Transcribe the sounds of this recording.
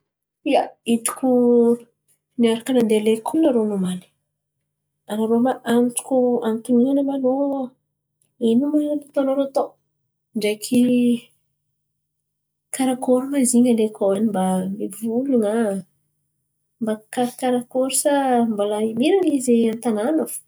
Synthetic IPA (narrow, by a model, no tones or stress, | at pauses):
ijait̪u̥kʲu | niaɾakənand̪elekʰonaɾonumani̥ | anaɾomaʔamiʈ͡ʂu̥kʲuamit̪uminanamano | inumanat̪at̪oanoɾot̪o | ɳɖ͡ʐejkʰi | kaɾakoɾumaziɲalekʰowanimbamibivuluŋa | mbakaɾkaɾakoɾusambolaimiɾanizeant̪ananaf